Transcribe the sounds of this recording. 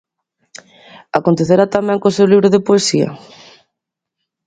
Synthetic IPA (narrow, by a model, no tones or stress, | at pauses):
akont̪eθeɾat̪amɛ̃ŋkosewliβɾʊðepoesia̰